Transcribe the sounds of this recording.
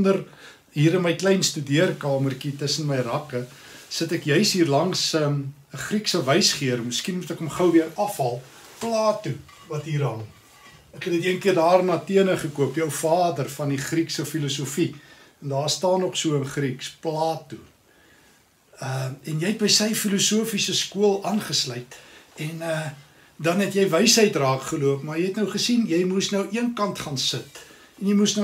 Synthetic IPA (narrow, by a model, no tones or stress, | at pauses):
ndər | ɦiːɾənməjklɛjnstydiərkɑːmərkitəsənməjrɐkə | sətɛkjœɥsɦiːrlɐŋs | əχriksəvɐjsχiərməskinmutɛkɔmχəwviərɐfɦɐlˠ | plɑːtu | vɐtɦiːɾɦɐl | ækɛtədiəŋkiərdɑːrnɑːtiənəχəkuəpjœwfɑːdərfɐniχriksəfilusufi | ndɑːrstɑːnːɔχsuəənχriksplɑːtu | əɛnjɛjɛt̚bəjsəjfilusuəfisəskuəlˠʔɑːnχəslœjtɛnə | dɐnɦɛtjɛjvɛjsɦəjtrɑːkχəluəpmɐrjɛjɦɛtnəwχəsinjɛjmusnəwʔiənkɐntχɑːnsət | ɛnjɛjmusn